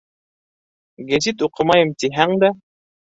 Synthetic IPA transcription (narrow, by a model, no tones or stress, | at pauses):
ɡæzit̪uqɤ̆mɑjɤmt̪iɦæŋd̪æ